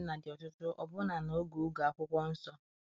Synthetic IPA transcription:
na˨dɪ˨ɔ˨tʊ˦tʊ˦ʔɔ̰˨bʊ˦na˨no˨˦ɡu˨u˦ɡa˨kʷʊ˦kʷɔ˦n̩˦sɔ˦

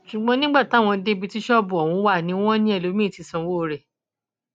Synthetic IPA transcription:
ʃu˨ɡ͡bɔ̃˧˦nĩ˦ɡ͡ba˦˨ta˨˦˨w̃ɔ̃˧de˦bi˧ti˦ʃɔ˦bu˨ɔ˨w̃ũ˨˧˦wa˦˨nĩ˨˦w̃ɔ̃˦nĩ˦ɛ˦˨lo˨˦mĩ˦˨ti˧˦sɔ̃˧˨˦wo˦˧ɾɛ˨

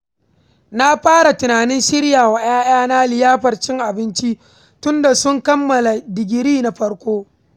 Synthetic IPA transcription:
na˦ɸaː˦ɽa˨tʊ˨naː˨nɪ˦nʃɪ˦ɽjaː˨wa˨ʔj̰aː˦ʔj̰aː˦na˦lɪ˨jaː˦ɸɐ˨rt͡ʃɪ˦ŋʔa˨bɪ˦nt͡ʃi˦ | tʊ˦nda˨sʊ˦ŋkɐ˦mːɐ˨la˨dɪ˨ɡʲɪ˨ɾiː˦na˦ɸɐ˦ɽkʷoː˦

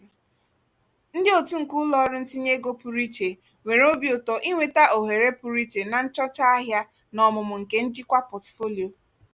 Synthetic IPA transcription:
n̩˦dɪ˦o˨tu˦ŋ̩˨ku˦ʊ˦lɔ˦ɾɪ˦n̩˦ti˦ɲe˦ɡo˦pu˨ɾi˦te˨ | ŋʷe˨ɾo˦bjʊ˨tɔ˨ʔi˦ŋʷe˨ta˦ʔo˨ɦe˨ɾe˦pu˨ɾi˦te˨na˨n̩˦t͡ʃɔ˦t͡ʃa˦a˦ɦja˦ | nɔ˨mʊ˨mʊ˨ŋ̩˨ke˦n̩˦d͡ʒi˦kʷa˦pɔ˨tfo˦li˨o˨

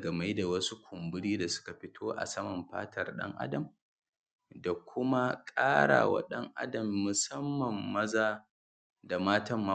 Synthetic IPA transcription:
ɡa˨ma˦jda˨wɐ˦su˦kʷʊ˨mbʊ˦ɽiː˦da˨sʊ̥˦ka˨ɸɪ˦tʰoː˦ʔa̰˨sɐ˦mɐ˨mɸa̰ː˦tʰɐ˨rɗɐ̰˦ŋʔa̰˦dɐ˨m | da˨kʷʰʊ˦ma˦kʼaː˦ɽa̰ː˨wa̰˦ɗɐ˦ŋʔa̰˦dɐ˨mːʊ˨sɐ˦mːɐ˨mːɐ˦zaː˦˨ | da˨maː˦tɐ˦mːa˦

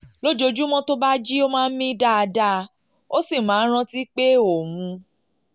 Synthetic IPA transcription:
lo˦d͡ʒo˧d͡ʒu˦mɔ̃˦to˦ba˦d͡ʒi˦o˦mãː˦˧n̩˦mĩ˦da˦˨a˧da˦˧ | o˦si˦˨mã˨˦ɾ̃ã˧ti˦k͡pe˦o˨mũ˧

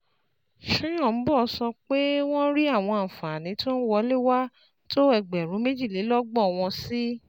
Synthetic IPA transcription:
ʃũ˦j̃ɔ̃˦˨n̩˨˦bɔ˦˨˧sɔ˧k͡pe˦w̃ɔ̃˦ɾi˦a˦˨w̃ɔ̃˧a˨fã˨nĩ˨˦to˦n̩˦wɔ˧˦le˦˨wa˦ | to˦ɛ˧ɡ͡bɛ˨ɾũ˨˦me˦d͡ʒi˦˨le˨˦lɔ˦ɡ͡bɔ˦˨w̃ɔ̃˧si˦

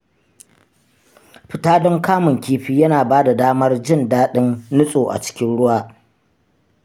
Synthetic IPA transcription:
ɸɪ˨taː˦dɔ˦ŋkaː˦mɪ˨ŋkʲiː˦ɸiː˦jɐ˦naː˨baː˦da˨daː˦mɐ˦rd͡ʒɪ˦ndaː˦ɗɪ˦nːʊ˦sʼoː˨ʔa̰˨t͡ʃɪ̥˦kʲɪ˦nɽʊ˦waː˦

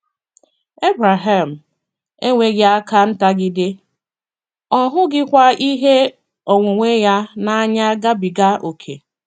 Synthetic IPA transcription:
e˦bɾa˨ɦa˨m̩˨ | e˦ŋʷe˦ɡɪ˦a˦ka˦n̩˦ta˦ɡɪ˦dɪ˦ | ɔ˦ɦʊ˦ɡɪ˦kʷa˦i˦ɦe˦ | o˨ŋʷʊ˨ŋʷe˦ja˦na˦a˦ɲa˦ɡa˦bi˨ɡa˦ʔo˨kʰḛ˨

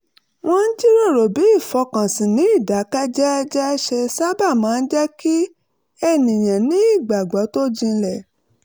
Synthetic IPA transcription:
w̃ɔ̃˧n̩˦d͡ʒi˦ɾo˦˨ɾo˨bi˨˦i˦˨fɔ˧kã˨sĩ˨nĩ˨˦i˦˨da˨˦ka˦d͡ʒɛ˦˧d͡ʒɛ˦ʃe˧sa˦ba˦˨mãː˨˦˧n̩˦d͡ʒɛ˦ki˦ | ɛ˦nĩ˨j̃ã˨nĩ˨˦i˦˨ɡ͡ba˨ɡ͡bɔ˨˦to˦d͡ʒĩ˧lɛ˨

